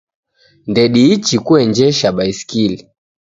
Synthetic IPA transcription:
ndɛɗiit͡ʃikuɛɲd͡ʒɛʃaɓaiskili

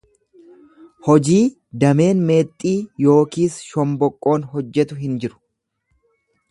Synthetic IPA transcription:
hɔd͡ʒiː | d̪ɐme̞ːnme̞ːt̪ʼːiːjo̞ːkiːsʃɔmbɔkʼːo̞ːnɦɔd͡ʒːɛt̪ʊɦɪnd͡ʒɪɾʊ̥

